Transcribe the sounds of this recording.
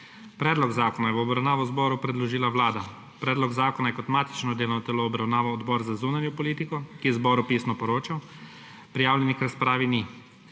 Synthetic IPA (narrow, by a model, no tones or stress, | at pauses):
pɾɛːd̪lɔɡzaːkɔnajɛʋɔɔbɾawnaːʋɔzbɔːɾupɾɛd̪lɔʒiːlawlaːd̪a | pɾɛːd̪lɔɡzaːkɔnajɛkɔt̪maːt̪i̥t͡ʃnɔd̪eːlnɔt̪ɛloːbɾawnaːʋɔːd̪bɔːɾzazuːnanjɔpɔliːt̪ikɔkizbɔɾupiːsnɔpɔɾoːt͡ʃaw | pɾijaːwlʲɛnikɾaspɾaːʋini